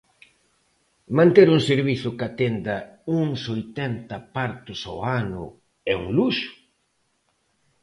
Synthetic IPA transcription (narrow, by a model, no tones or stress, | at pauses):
mãnt̪eɾuŋseɾβiθʊkat̪end̪ɐuŋsojt̪ɛnt̪ɐpaɾt̪ʊso̰wanʊ̰ | ɛṵŋluʃʊ̥